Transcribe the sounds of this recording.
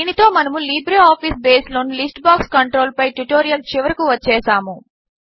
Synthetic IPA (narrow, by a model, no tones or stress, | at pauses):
iːnit̪o̞ːmɐnɐmuliːbɾeːaːpʰiːsbeːsloːnulisʈbaːkskɐɳʈɾoːlpɐjʈuʈoːɾijɐlt͡ʃiʋɐɾɐkuʋɐt͡ʃːɛːsaːmu